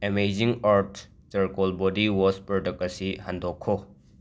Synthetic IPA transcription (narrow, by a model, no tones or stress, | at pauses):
emejziŋaɾt | sɐɾkɔlbɔdiwɔspɾɔʈɐk̚ɐsihɐnd̪ʱɔkʰːɔ